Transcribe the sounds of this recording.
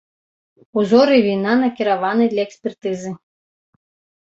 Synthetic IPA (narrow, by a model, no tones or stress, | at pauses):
uzɔɾɨvʲinanɐkʲiɾavanɨd̪lʲɐɛksʲpʲɛrt̪ɨzɨ